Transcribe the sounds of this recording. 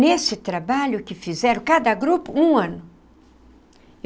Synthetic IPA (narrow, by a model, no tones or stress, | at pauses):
nesɪt̪ɾabaʎʊkɪfizɛɾɐ̃kad̪ɐɡɾupʊũɐ̃nʊ